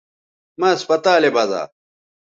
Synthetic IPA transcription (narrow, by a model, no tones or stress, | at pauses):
maːɐspɐt̪aːlebɐza̰ː